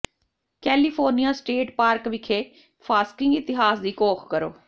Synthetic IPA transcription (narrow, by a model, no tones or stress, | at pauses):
kɛːlipʰoːɾnijaːsʈeːʈpaːɾkʋɪkʰeː | pʰaːskɪ̃ŋɡɪt̪ɪɦaːsd̪iːkoːkʰkəɾo̰ː